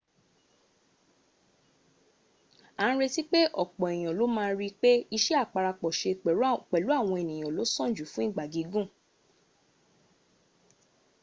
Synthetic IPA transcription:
ã˨˦ɾe˧ti˦k͡pe˦ʔɔ˦˨k͡pɔ̃˨e˨j̃ɔ̃˨lo˨˦mãː˦˧˦ɾi˦k͡pe˦i˧ʃɛ˦a˦˨k͡pa˧ɾa˧k͡pɔ˨ʃe˧k͡pɛ˨˦k͡pɛ˨lu˨˦a˦˨w̃ɔ̃˧e˨nĩ˨j̃ɔ̃˨lo˨˦sɔ̃˦˨d͡ʒu˨˦fũ˨˦i˦˨ɡ͡ba˨ɡi˨˦ɡũ˦˨

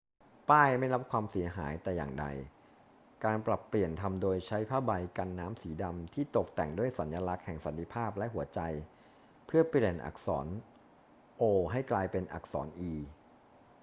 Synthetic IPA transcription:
paː˥˩jma˥˩jɾa˦˥p̚kʰwaː˧msi˩˦ɐɦaː˩˦jt̪ɛː˨˩jaː˨˩ŋda̰˧j | kaː˧npɾa˨˩pːli˨˩ənt̪ʰa˧mdoː˧jt͡ɕʰa˦˥jpʰaː˥˩ba˧jka˧nːaː˦˥msiː˩˦da˧mt̪ʰiː˥˩t̪o˨˩k̚t̪ɛ˨˩ŋdu˥˩əjsa˩˦njaː˧la˦˥k̚hɛ˨˩ŋsa˩˦nt̪ʰi˧pʰaː˥˩p̚lɛ˦˥ʔɦu˩˦ɐt͡ɕa˧j | pʰɯ˥˩ɐpi˧liː˨˩nʔa̰˨˩k̚sɔ̰ː˩˦n | ʔoː˧ɦa˥˩jklaː˧jpe˧nʔa̰˨˩k̚sɔ̰ː˩˦nʔiː˧

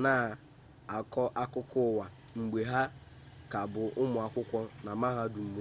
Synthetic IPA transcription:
naː˦˨ | ɔ˦ʔa˦kʊ˦kʰʊ˦˨wa˨ | ŋ͡m̩˨ɡ͡be˨ɦa˦ | ka˨bʊ˨ʔʊ˦mʊ˨a˨kʷʊ˦kʷɔ˦na˨ma˦ɦa˦du˨ŋ͡m̩˨me˨˦

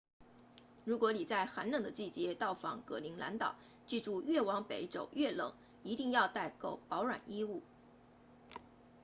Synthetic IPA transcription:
ɻu˧˥kwɔ˧˥li˨˩t͡sa˥˩ɪxa˧˥nlə˨˩ŋd̪ə˦t͡ɕi˥˩t͡ɕjɛ˧˥t̪ɑ˥˩ʊfɑ̰˨˥˦ŋkɤ˧˥˩li˧˥ŋla̰˧˥nt̪ɑ̰˨˩˦ʊ | t͡ɕi˥˧ʈ͡ʂu˥˧ɥɛ˥˩wɑ˧˥ŋpe˧˥ɪʈ͡ʂo˨˩ʊɥɛ˥˩lɤ̰˨˩˦ŋ | i˧˥t̪i˥˧ŋjɑ˥˧ʊt̪a˥˩ɪko˥˩ʊpɑ˧˥ʊɻwa̰˨˩nʔi˥u˥˩

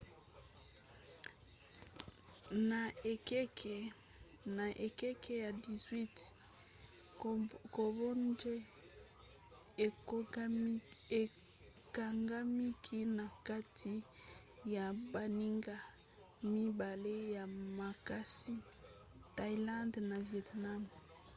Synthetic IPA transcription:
na˨e˨kk | na˨ʔe˨ke˦kʰe˦ja˨di˨zwi˦t | ko˨bo˦nd͡ʒe˦˨ | e˨ | ka˨ŋɡa˦mi˦kʰi˦na˨ka˦tʰi˦ | ja˨ba˨ni˦ŋɡa˦ | mi˦ba˨le˦ja˨ma˨ka˦si˦ | ta˦i˦lã˦ndna˨vjɛ˨tna˦m

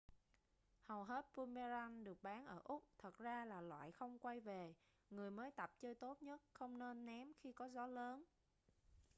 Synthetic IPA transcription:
hə˨˩wɦe˦˥t̚pu˧me˧za˧nɗɨ˨˩ək̚ɓaː˨˦nʔəː˧˩ʔʊ˦˥k͡p̚t̪ʰə˨˩t̚zaː˧laː˨˩lwa̰ː˧˨jxə˧wŋ͡mkwa˧jve˨˩ | ŋɨ˨˩əjməː˨˦jt̪ə˨˩p̚t͡ɕəː˧jt̪o˦˥t̚ɲə˦˥t̚xə˧wŋ͡mne˧nːɛ˨˦mxi˧kɔ˨˦zɔ˨˦ləː˨˦n

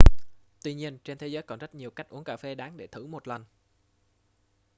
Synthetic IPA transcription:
t̪wi˧ɲi˧ənt͡ɕe˧nt̪ʰe˨˦zəː˨˦jkɔ˨˩nzə˦˥t̚ɲi˨˩əwka˦˥jk̚ʔu˨˦˥əŋkaː˧˩fe˧˦ɗaː˨˦ŋɗe˧˩t̪ʰɨ˧˩mo˨˩t̚lə˨˩n

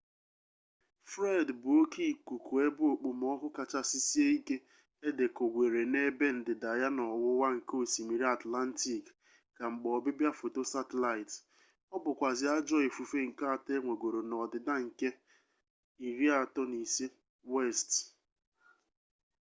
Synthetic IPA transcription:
fɾe˦dbʊ˨o˦ki˦˨kʷu˨ku˨e˦bʊ˦o˨k͡pu˨mɔ˦kʷʊ˦ka˨t͡ʃa˦si˦si˦e˦i˦ke˦ | e˦de˨ko˨ɡʷe˨ɾe˨ne˦be˦n̩˦dɪ˨da˨ja˦nɔ˨wʊ˦wa˦ŋ̩˨ko˦˨si˨mi˨ɾi˦a˨tla˦n̩˦ti˨k | ka˨ŋ͡m̩˨ɡ͡bɔ˨bɪ˦bja˦fo˨to˦sa˦te˨la˨ɪ˨t | ɔ˦bʊ˨kʷa˨zɪ˨˦a˦d͡ʒɔ˦e˨fu˨fe˦ŋ̩˨ka˦a˨te˦ŋʷe˨ɡʷo˨ɾo˨nɔ˨dɪ˨da˦ŋ̩˨ke˦ | i˨ɾi˦a˦˨tɔ˦ni˨si˦ | we˦˨st

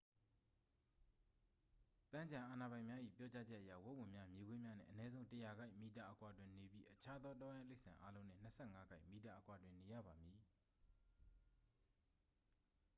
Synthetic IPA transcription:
pã˦ɲd͡ʑã˨ʔa˨na˨bã˨ɪ̃mja˦ʔḭ˦˨pjɔ˦t͡ɕa˦d͡ʑɛ˦ʔəjä̰˦˨wo˦˨wʊ̃˨mja˦mje˨ɡwe˦mja˦nɪ̰̃˦˨ʔə˨nɛ˦zõ˦ʊ̃təja˨ɡa˦ɪʔmi˨ta˨ʔəkwa˨dwɪ̃˨ne˨bji˦ʔət͡ɕʰa˦d̪ɔ˦tɔ˦jã˦le˦ɪʔsã˨ʔa˦lõ˦ʊ̃n̥ɪ̰̃˦˨n̥əsʰɛ˦˨ŋa˦ɡa˦ɪʔmi˨t̬a˨ʔəkwa˨dwɪ̃˨ne˨jä̰˦˨ba˨mji˨

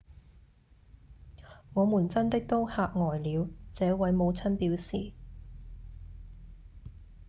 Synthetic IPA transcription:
ŋɔː˨˧muː˨˩nt͡sɐ˥nt̪ɪ˥k̚t̪o˥whaː˧k̚ŋɔː˨˩jliː˨˧wt͡sɛː˨˥wɐ˨˥jmo˨˧wt͡sʰɐ˥npiː˨˥wsiː˨

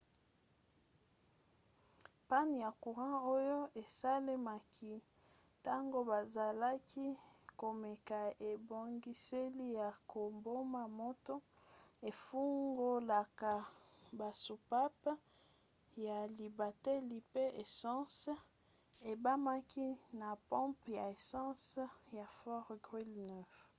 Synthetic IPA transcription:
pa˦ni˨ja˨ku˨ʁɑ̃˦o˦jo˦e˨sa˦le˦ma˨kʰi˦ | ta˦ŋɡo˦ba˨za˨la˦kʰi˦ko˨me˨ka˨e˨bo˨ŋɡi˦se˦li˦ja˨ko˨mbo˦ma˨mo˦to˦ | e˨fu˦ŋɡo˦la˨ka˨ | ba˨su˨pa˦p | ja˨li˨ba˨tɛ˦li˨pe˦ʔe˨sɑ̃˦s | e˨ba˦ma˦ki˦na˨pɔ̃˦mpja˨e˨sɑ̃˦sja˨fɔ˦ʁɡʁi˦lnɛ˨f

